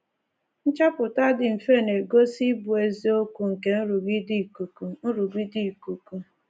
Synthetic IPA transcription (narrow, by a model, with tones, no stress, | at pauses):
n̩˦t͡ʃa˦pʊ˨ta˦dɪ˨m̩˨fe˦˨ne˨ɡo˦si˦bu˨e˨zi˦o˦ku˨ŋ̩˨ke˨n̩˦ɾu˨ɡi˦di˦˨ku˨ku˨n̩˦ɾu˨ɡi˦di˦˨ku˨ku˨